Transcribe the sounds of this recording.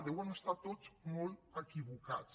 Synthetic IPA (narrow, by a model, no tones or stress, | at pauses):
d̪ewanəst̪at̪ːot͡smoləkiβukat͡s